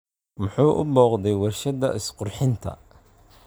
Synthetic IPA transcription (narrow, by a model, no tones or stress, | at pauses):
mʊħuːʔʊbɔːqd̪ɛjwɑrʃɐðɐ̰ʔɪsqʊrħɪnt̪ʰɐ̰